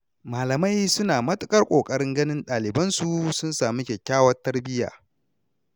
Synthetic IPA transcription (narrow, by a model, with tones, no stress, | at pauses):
maː˨lɐ˨ma˦jsʊ˦naː˨mɐ˦tʼʊ˦kʼɐ˦rkʷʼoː˨kʼɐ˦ɽɪ˦ŋɡɐ˦nɪ˦nɗaː˨lɪ˨bɐ˦nsu˨sʊ˦nsaː˨mi˦kʲɛ˨kʲːaː˦wɐ˦tːɐ˦rbɪ˦ja̰ː˨